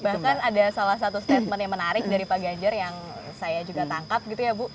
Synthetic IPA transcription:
bahkanadasalahs̬at̪ust̪ɛfmənjamənaɾɪk̚daɾipaɡaɲd͡ʒarjaŋsajad͡ʒuɡat̪aŋkap̚ɡit̪ujabʊ

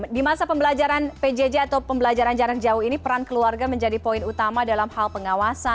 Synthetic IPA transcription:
dimasapəmbəlad͡ʒaɾanped͡ʒed͡ʒeat̪awpəmbəlad͡ʒaɾand͡ʒaɾak̚d͡ʒauhinipəɾankəluarɡaməɲd͡ʒadipoinut̪amadalamhalpəŋawasa

